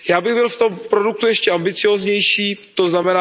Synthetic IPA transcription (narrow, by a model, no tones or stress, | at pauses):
jaːbɪɣbɪlft̪o̞mpɾo̞duk̚t̪ujɛʃcɛʔambɪt͡sɪjoːzɲɛjʃiːt̪o̞znamɛna